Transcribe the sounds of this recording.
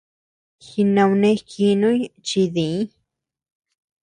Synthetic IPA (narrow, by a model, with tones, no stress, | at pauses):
xi˧nã˧wnẽ˧ki˧nũ˦jt͡ʃi˧ðĩ˨˦